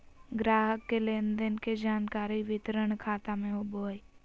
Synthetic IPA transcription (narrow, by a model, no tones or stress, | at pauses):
ɡɾaːɦəkːeleːnd̪ənked͡ʒaːnkaːɾiʋɪt̪ɾəɳ̃kʰaːt̪amẽɦoboːi